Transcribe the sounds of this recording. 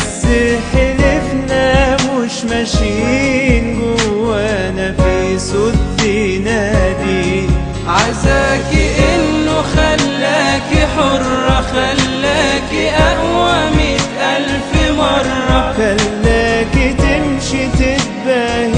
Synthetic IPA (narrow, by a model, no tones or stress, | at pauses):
sɪħelefnæmʊʃmæʃiinɡowːænæfisot̪ːinæd̪i | ʕazaːkiʔɪnːʊxælːæːkiħoɾˤːɑxalːæːkiʔæʔwamɪt̪ʔælfɪmɑɾˤːɑxalːæːkit̪ɪmʃit̪ɪbah